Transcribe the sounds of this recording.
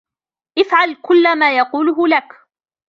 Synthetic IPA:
ʔɪfʕalkʊlːamaːjɑquːlʊɦʊlak

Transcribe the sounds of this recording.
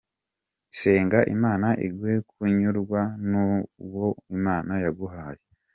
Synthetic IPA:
se̞ːŋɡaʔimaːnaʔḭɡwe̞kuɲuɾɡwanuwo̞imaːnajaɡuɦaːje

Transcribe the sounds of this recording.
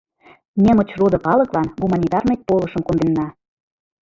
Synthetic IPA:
nʲĕmə̆t͡ɕrod̪ɤ̆kɑlɤ̆klɑnɣumɑnʲit̪ɑrmek̚polɤ̆ʃɤ̆mkond̪enːɑ

